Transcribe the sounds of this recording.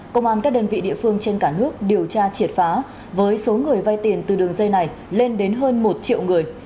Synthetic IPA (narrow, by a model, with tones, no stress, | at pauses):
kə˧wŋ͡mʔaː˧nkaː˦˥k̚ɗəː˧nvḭ˧˨ɗḭ˧˨əfɨ˧əŋt͡ɕe˧nkaː˧˩nɨ˦˥ək̚ɗi˨˩əwt͡ɕaː˧t͡ɕi˧˩ət̚faː˨˦ | vəː˨˦jso˨˦ŋɨ˨˩əjva˧jt̪i˨˩ənt̪ɨ˨˩ɗɨ˨˩əŋzə˧jna˨˩j | le˧nɗe˨˦nɦəː˧nmo˨˩t̚t͡ɕḭ˧ə˨wŋɨ˨˩əj